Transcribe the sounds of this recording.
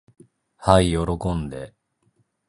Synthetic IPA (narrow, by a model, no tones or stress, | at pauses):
haijo̞ɾo̞kõ̞nd̪e̞